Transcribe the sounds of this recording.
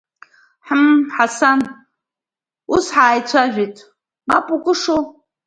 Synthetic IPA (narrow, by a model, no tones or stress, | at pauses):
ħmħasan | usħaːjt͡sʷʰaʒᶣitʼ | mapʼukʼʊʂow